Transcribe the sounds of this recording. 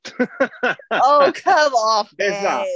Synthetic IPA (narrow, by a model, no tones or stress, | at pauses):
oʊkʰʌmɔfɪzæ